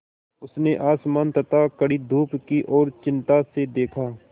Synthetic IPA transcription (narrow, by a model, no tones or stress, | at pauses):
ʊsneʔaːsmaːnt̪ɐt̪akɐɽid̪ʱuːpkiʔɔːɾt͡ʃɪ̃nt̪ased̪eːkʰaː